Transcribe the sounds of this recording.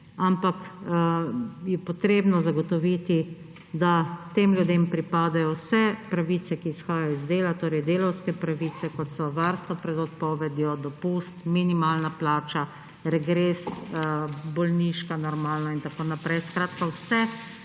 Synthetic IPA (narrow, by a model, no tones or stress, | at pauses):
ampak | jɛpɔt̪ɾeːbnɔzaɡɔt̪ɔʋit̪i | d̪at̪eːmljud̪eːmpɾipaːd̪ajɔwsɛpɾaʋiːt̪sɛkiːsxaːjajɔizd̪eːlat̪oːɾɛjd̪eːlɐwskɛpɾaʋiːsɛkɔt̪sɔʋaːɾst̪ʋɔpɾɛd̪ɔt̪̚pɔːʋɛd̪jɔd̪ɔpust̪minimaːlnaplaːt͡ʃa | ɾɛɡɾeːs | bɔlniʃkanɔɾmaːlnaint̪akoːnapɾɛjskɾaːt̪kawsɛ